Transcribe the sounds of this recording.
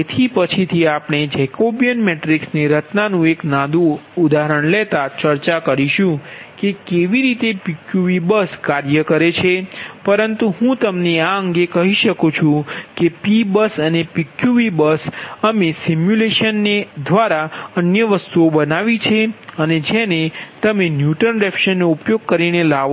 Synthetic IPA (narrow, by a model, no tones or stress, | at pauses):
et̪ʰipət͡ʃʰit̪ʰiapɽ̃ed͡ʒɛkobijənmeʈɾiksneɾət̪nanũeknãd̪ũud̪aɦɾəɳlet̪at͡ʃəɾt͡ʃakəɾiʃũkekeʋiɾit̪epikjuʋibəskaɾjəkəɾet͡ʃʰepəɾənt̪uɦũt̪əmneaəŋɡekəɦiʃəkut͡ʃʰũkepibəsənepikjuʋibəsəmesimjuleʃənːed̪ʋaɾaənjəʋəst̪uobənaʋit͡ʃʰeəned͡ʒenet̪əmenjuʈənɾɛpʃənːoupjoɡ̚kəɾinela